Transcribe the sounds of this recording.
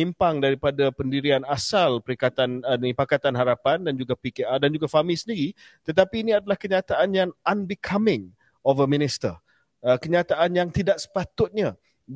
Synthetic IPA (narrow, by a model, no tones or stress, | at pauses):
impaŋdaɾipadapəndiɾianasalpəɾikat̪anənipakat̪anɦaɾapandand͡ʒuɡapikeadand͡ʒuɡafamilsəndiɾi | t̪ət̪apiːniadalahkəɲat̪aʔanjaŋʔanbikʰamɪ̃ŋ | ɔfəmĩnist̪ər | əkəɲat̪aʔanjaŋt̪idaʔ̚sə̥pat̪ʊt̪̚ɲã